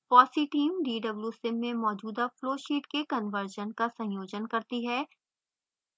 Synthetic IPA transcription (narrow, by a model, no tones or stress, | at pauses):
pɔːsiʈiːmɖiːɖɐbljusɪ̃mːẽmɔːd͡ʒuːd̪afloːʃiːʈkekənʋəɾʒənkasɐ̃joːd͡ʒənkɐɾt̪iɦɛː